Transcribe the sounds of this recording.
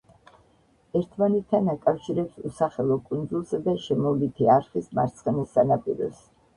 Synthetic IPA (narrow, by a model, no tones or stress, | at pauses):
ɛɾt̪ʰmanɛt̪ʰːanakʼafʃiɾɛpsusaχɛlˠɔkʼund̪zulˠsad̪aʃɛmɔlit̪ʰiaɾχismaɾt̪sʰχɛnisːanapʼḭɾɔ̰s